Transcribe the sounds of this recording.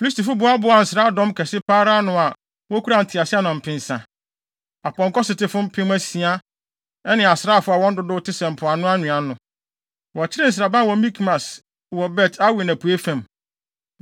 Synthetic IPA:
fi˨li˦si̥˦ti˨fʊ˦bʊ˦a˦bʊ˨˦a˨n̩˨sɾa˦dɔ̃˦mkʰɛ˨sɪ˦paː˦ɾa˦nʊ̃˨a˨ | wɔ˦kʰu˦ɾa˨n̩˨tʰɪ˨a˨sɪ˦a˦nã˨m̩˨pʰɪ̃˨n˨sã˨ | a˨pɔ̃˨ŋ˨kɔ˦sɪ˨tɪ˨fʊ̃˦m̩˦pʰɪ̃˦mæ˦si˨a˦ | ɛ˦nɪ̃˨a˨sɪ˨ɾa˦˨fʊ˦a˨wɔ̃˦n̩˦dʊ˦dʊ˦tʰɪ˦sɛ̃˨m̩˨pʰʊ˨a˨nʊ̃˦a˦nʊ̃˨ã˨nʊ̃˨ | wɔ˨t͡ɕʰɪ˦ɾɪ˦n̩˨s̬ɾa˨bã˦wɔ̃˨mĩ˦kʰmã˨s | wɔ˨bɛ˦˨tʰa˦we˨næ̃˨pʰu˨e˦fæ̃˨m

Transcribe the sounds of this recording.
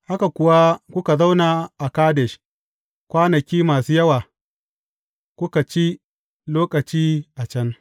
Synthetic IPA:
ha˦ka˨kʷʊ˨wa˦kʷʊ˦ka˨za˦wna˨ʔa˨kaː˦dɛ˨ʃ | kʷaː˦nɐ˨kʲiː˦maː˨suː˦jɐ˦waː˨ | kʷʊ˦ka˨t͡ʃi˦ | loː˦kʼɐ˨t͡ʃiː˦ʔa˨t͡ʃɐ˦n

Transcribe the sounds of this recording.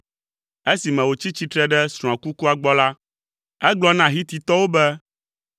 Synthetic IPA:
e˦si˨mɛ̃˨wo˨t͡ɕi˦t͡ɕi˦t̪ɾɛ˦ɖɛ˦sɾ̃ɔ̃˨ã˨ku˦ku˦a˨ɡ͡bɔ˦la˦ | ɛ˦ɡ͡blɔ˦nã˨ɦi˦t̪i˨t̪ɔ˦wo˦bɛ˦

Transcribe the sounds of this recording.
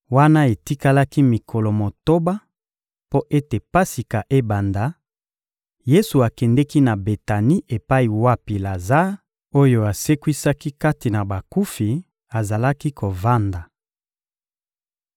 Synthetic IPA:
wa˦na˦e˨ti˦ka˦la˦ki˦mi˨kʰo˨lo˨mo˨to˦ba˦ | po˦ʔe˦te˨pa˦si˨ka˨ʔe˦ba˨nda˨˦ | je˦su˨a˨kɛ˨ndɛ˦ki˦na˨be˨ta˨ni˦ʔe˨pa˦i˨wa˦pi˨la˨za˦ | o˦jo˦a˨se˦kwi˦sa˦ki˦ka˦ti˨na˨ba˨ku˦fi˨ | a˨za˨la˦ki˦ko˨va˦nda˨

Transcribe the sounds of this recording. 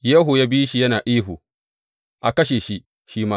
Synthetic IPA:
ja˦ɦu˨jaː˦biː˦ʃi˨jɐ˦naː˨ʔiː˦ɦu˨ | ʔa˨kɐ˦ʃ̬eː˨ʃi˦ | ʃiː˦maː˦

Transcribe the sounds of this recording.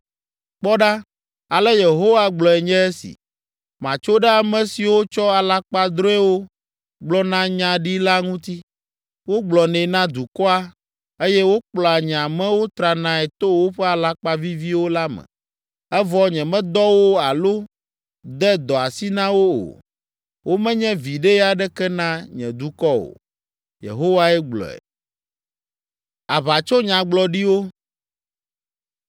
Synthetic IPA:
k͡pɔ˦ɖa˦ | a˨lɛ˦je˨ɦo˦wa˦ɡ͡blɔ˨ɛ˨ɲɛ̃˦ɛ˦sḭ˨ | mã̰˨t͡ʃo˦ɖɛ˦a˨mɛ̃˨si˨wo˦t͡ʃɔ˦a˨la˦k͡pa˦d̪ɾo˦ɛ˦wo˦ | ɡ͡blɔ˦nã˦ɲã˦ɖi˦la˦ŋũ˦t̪i˦ | wo˦ɡ͡blɔ˨nɛ̃˨nã˦d̪u˨kɔ˦a˦ | e˦jɛ˦wo˦k͡plɔ˨a˨ɲ˨ã˨mɛ̃˦wo˦t̪ɾa˨nã˦ɛ˨t̪o˦wo˦ɸɛ˦a˨la˦k͡pa˦vi˦vi˦wo˦la˦mɛ̰̃˨ | ɛ˦vɔ˦ɲɛ̃˨mɛ̃˦d̪ɔ˦wo˦a˨lo˦ | d̪ɛ˦d̪ɔ˨a˨si˦nã˦wo˦o̰˨ | wo˦mɛ̃˦ɲɛ̃˦vi˨ɖɛ˦ja˦ɖɛ˦kɛ˦nã˦ɲɛ̰̃˨d̪u˦kɔ˦o̰˨ | jḛ˨ɦo˦wa˦ɛ˦ɡ͡blɔ̰˨ɛ̰˨ | a˨βa˨t͡ʃo˦ɲã˨ɡ͡blɔ˨ɖi˦wo˦

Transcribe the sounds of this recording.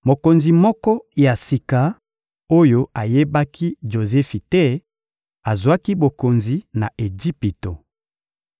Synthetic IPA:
mo˨ko˨nzi˨mɔ˦kɔ˦ja˨si˨ka˨ | o˦jo˦a˨je˦ba˦kʰi˦ʒo˨zɛ˦fi˨tɛ˦ | a˨zwa˦ki˦bo˨ko˨nzi˨na˨e˨d͡ʒi˦pi˨to˨

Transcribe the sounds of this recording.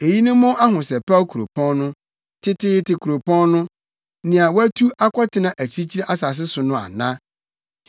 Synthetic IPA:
e˨ji˦nʊ̃˦mːʊ̃˦ʔa˦ɦʊ̃˨sɛ˨pʰa˦kʰu˨ɾo̰˨pʰɔ̃˦nʊ̃˦ | tʰɪ˦tʰɪ˦tɪ˨kʰu˨ɾo˨pʰɔ̃˦nnʊ̃˦ | nɪ̃˨a˨wæ˦tʰu˦a˦kʰʷɔ˦tʰɪ˦nã˨ʔæ˨t͡ɕʰi˦i˦t͡ɕʰi˦ɾa˦ʔa˦sa˨s̬ɪ˦sʊ˨nʊ̃˦a̰˨nã˦

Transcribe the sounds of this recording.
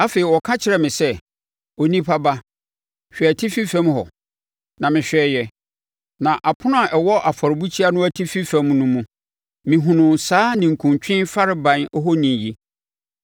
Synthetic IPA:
a˦feː˨i˨wɔ˨kʰã˦t͡ɕʰɪ˨ɾɛ˨mɪ̃˨sɛ˦ | ɔ˨nĩ˦pʰa˦ba˦ | ɕᶣɛ˨æ˨tʰi˦fi˦fɛ̃˦mɦɔ˨ | nã˨mɪ̃˨ɕᶣɛ˦jɛ˨ | nã˨ʔa˨pʰʊ˦nʊ̃˦a˨ʔɛ˨wɔ˦ʔa˨fɔ˨ɾɪ˨bu˦t͡ɕʰi˦a˦nʊ̃˦æ˦tʰi˦fi˦fɛ̃˦m˦nũ˦mũ˦ | mɪ̃˨ɦũ˨nʊ̃˨n˨saː˦nɪ̃˨ŋ̩˨kʰũ˨ɲt͡ɕᶣɪ̃˦nfa˦ɾɪ˦bã˨nɔ˦ɦɔ˦nĩ˨ji˦

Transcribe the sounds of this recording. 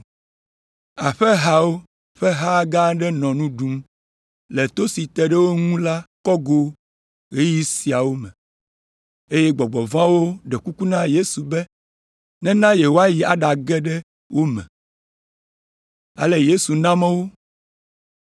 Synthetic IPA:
a˨ɸɛ˦ɦa˦wo˦ | ɸɛ˦ɦa˦ɡa˦ɖɛ˦nɔ̃˨nũ˦ɖu˨m | lɛ˨t̪o˦si˨t̪ɛ˨ɖɛ˦wo˦ŋũ˦la˦kɔ˦ɡo˦ | ɣe˦ji˦si˨a˨wo˦mɛ̃˨ | e˦jɛ˦ɡ͡bɔ˨ɡ͡bɔ˨vã˦wo˦ɖɛ˨ku˦ku˦nã˦je˦su˨bɛ˦ | nɛ̃˦nã˦je˨wo˦a˦ji˨a̰˨ɖa˨ɡɛ˦ɖɛ˦ | wo˦mɛ̰̃˨ | a̰˨lɛ˨je˦su˨nã˦mɛ̃˦wo˦

